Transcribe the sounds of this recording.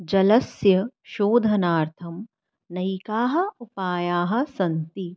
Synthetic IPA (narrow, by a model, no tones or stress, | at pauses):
d͡ʒɐlɐsjɐʃoːd̪ʱɐnaːɾt̪ʰɐm | nɐikaːɦɐ̆upaːjaːɦɐ̆sɐnt̪i